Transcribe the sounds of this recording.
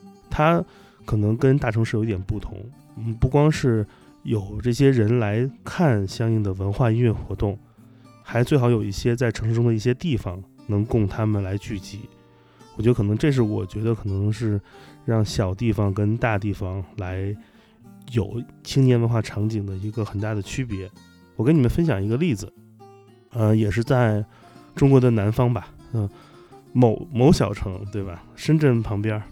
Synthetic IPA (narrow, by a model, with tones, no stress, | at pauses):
t̪ʰa˥ | kʰɤ˨˩nɤ˧˥ŋkə˥nt̪a˥˩ʈ͡ʂʰɤ˧˥ŋʂɻ̩˥˩jt̪jɛ˨˩pu˥˩t̪ʰʊ̰˧˥ŋ̩˥˩ | pu˥˩kwɑ˥ŋʂɻ̩˥˩ | jo˨˩ʊʈ͡ʂɤ˥˩ɕjɛ˥ɻə˧˥nla˧˥ɪkʰa˥˩nɕjɑ˥ŋi˥˩ŋd̪ə˩wə˧˥nxwa˥˧i˥ɥɛ˥˩nxwɔ˧˥t̪ʊ˥˩ŋ | xa˧˥ɪt͡swe˥˩ɪxɑ˧˥ʊjo˨˩i˥˩ɕjɛ˥t͡sa˥˩ɪʈ͡ʂʰɤ˧˥ʂ̩˥˧ʈ͡ʂʊ˥d̪ə˧i˥˩ɕjɛ˥t̪i˥˩fɑ˨˩ŋnɤ˧˥ŋkʊ˥˩ŋt̪ʰa˥mə˨nla˧˥ɪt͡ɕy˥˩t͡ɕi˧˥ | wɔ˨˩t͡ɕɥ̪ə˧kʰɤ˨˩nɤ˧˥ŋ˥ʈ͡ʂɤ˥˧ʂ̬ɻ̩˥˩wɔ̰˨˩t͡ɕɥɛ˧˥d̪ə˧kʰɤ˨˩nɤ˧˥ŋʂɻ̩˥˧ɻɑ˥˩ŋɕjɑ˨˩ʊt̪i˥˩fɑ˨˩ŋkə˥nt̪a˥˧t̪̬i˥˩fɑ˨˩ŋla˧˥ɪ | jo˨˩ʊt͡ɕʰi˥ŋnjɛ˥nwə˧˥nxwa˥˩ʈ͡ʂʰɑ˧˥ŋt͡ɕi˨˩ŋd̪ə˦i˧˥ɡə˧xə˨˩nt̪a˥˩d̪ə˩t͡ɕʰy˥pjɛ˧˥ | wɔ˨˩kə˥ni˨˩mə˧˦nfə˥nɕ̬jɑ˨˩ŋi˧˥ɡə˧li˥˩d͡zɹ̩˨˩ | ə˧jɛ˨˩ʂɻ̩˥˧t͡sa˥˩ɪ | ʈ͡ʂʊ˥ŋkwɔ˧˥d̪ə˧na˧˥nfɑ˥ŋbɐ˨˩ə˧ | mo˧˥ʊmo˧˥ʊɕjɑ˨˩ʊʈ͡ʂʰɤ˧˥ŋt̪we˥˩ɪbɐ˩ʂə˥nʈ͡ʂə˥˩npʰɑ˧˥ŋpjɑ˥